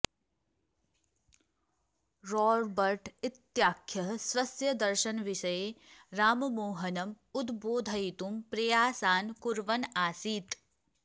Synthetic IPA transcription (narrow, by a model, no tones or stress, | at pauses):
ɾoːɾbɐɾʈɪt̪jaːkʰjɐɦswɐsjɐd̪ɐɾʃɐnʋɪʃɐjeɾaːmmoːɦɐnɐm | ud̪boːd̪ʱɐit̪umpɾɐjaːsaːnkuɾʋɐnaːsiːt̪